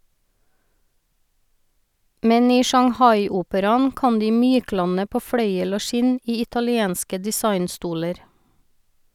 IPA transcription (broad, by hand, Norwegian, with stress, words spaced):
ˈmɛn ˈiː ʃɑŋˈhɑɪˌuːpəɾɑn ˈkɑn ˈdiː ˈmyːˌklɑnə ˈpoː ˈfɽœʏəl ˈoː ˈʃɪn ˈiː ɪtɑlɪˈeːnskə dɪˈsɑɪnˌstuːləɾ